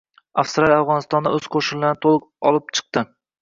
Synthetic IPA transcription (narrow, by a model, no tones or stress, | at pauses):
afst̪ɾalˠʲafʁɒnɪst̪ɒnd̪aɵzqʰoʃɪnllːaɾnɪt̪ʰolˠɨqɒlˠɪp̚t͡ʃʰɨ̥q̚t̪ɪ